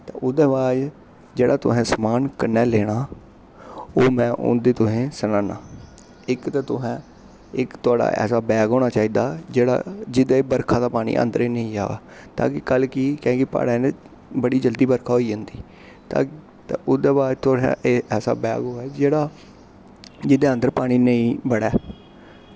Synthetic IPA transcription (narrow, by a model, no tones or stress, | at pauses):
t̪ẽːʊd̪eːbaːd͡ʒ | d͡ʒeːɽaːt̪ʊ̰sɛ̃ːsəmaːnkənɛːlɛːɽ̃aː | oːmɛ̃ːʔʊ̰̃nd̪eːt̪ʊsẽːsənãːnaː | ɪkt̪aːt̪ʊɦɛ̃ː | ɪkt̪ʊaːɖa̰ːʔɛ̰ːsaːbɛːɡɦoːɽaːt͡ʃaːiːd̪aːd͡ʒeːɽa̰ːd͡ʒɪd̪aːbəɾkʰaːd̪aːpaːɽ̃ḭːʔə̰̃ːnd̪ɾeːnəĩːa̰ːa̰ː | t̪a̰ːkɪkəlkikɛ̃ːɡipa̰ːɽãːn | bəɽiːd͡ʒəld̪iːbəɾkʰaːɦoːiːd͡ʒãːnd̪iː | t̪a̰ː | t̪ːʊd̪eːbaːɾt̪ʊa̰ɛːsa̰ːbɛ̰ːɡɦoːɛːd͡ʒeːɽaː | d͡ʒɪd̪eːə̃nd̪əɾpaːɽ̃iːnəĩːbəɽɛː